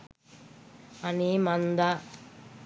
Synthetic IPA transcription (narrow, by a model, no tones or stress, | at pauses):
ɐnimɐnd̪a